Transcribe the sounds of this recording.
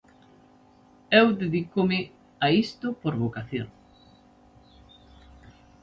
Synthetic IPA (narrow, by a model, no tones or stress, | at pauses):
ewðeðikomɪ | aist̪ʊpoɾβokaθjo̰ŋ